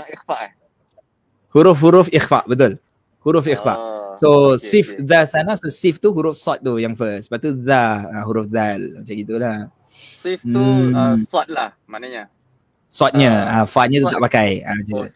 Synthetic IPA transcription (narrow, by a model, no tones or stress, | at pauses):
ixfaʔ | huɾʊfɦuɾʊfixfa̰ʔbət̪̬ʊl | huɾʊfixfa̰ʔsosifðasanasosift̪uɦuɾʊfsɔt̪̚ːujaŋfəsə̥paʔt̪uðaaɦuɾufðalmat͡ʃaŋɡit̪ula | if | sɔt̪̚lah | manaɲa | sɔt̪̚ɲaãfat̪̚ɲãt̪ut̪aʔpakaja̰mat͡ʃaɡa